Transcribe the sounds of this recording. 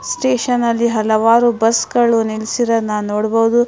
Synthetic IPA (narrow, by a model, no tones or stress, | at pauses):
sʈeːʃɐnɐlːiɦɐlɐʋaːɾubɐsɡɐɭunilsiɾɐnɐnoːɽbɐʋud̪u